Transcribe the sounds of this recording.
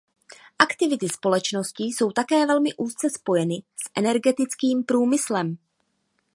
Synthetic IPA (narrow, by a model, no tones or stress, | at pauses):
ʔakt̪ɪvɪt̪ɪspo̞lɛt͡ʃno̞sciso̞wt̪akɛːvɛlmɪʔuːst͡sɛspo̞jɛnɪsʔɛnɛɾɡɛt̪ɪt͡skiːmpɾuːmɪslɛm